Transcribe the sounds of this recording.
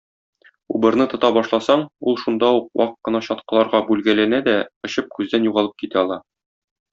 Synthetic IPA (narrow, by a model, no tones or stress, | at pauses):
ṵbɤ̆ɾnɤt̪ŏt̪ɑbɒʃlˠɑsɑɴulˠʃund̪ɑuq̚wʔɑ̰qqt̚qːɤ̆nɑɕɒt̪̚qɤ̆lˠɑɾʁɑbʉlɡælænæd̪æŏɕɤp̚kʉzd̪ænjuʁɑlˠɤp̚kit̪æɒlˠɑ